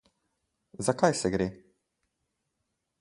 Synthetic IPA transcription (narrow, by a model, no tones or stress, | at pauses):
zakajsɛɡɾeː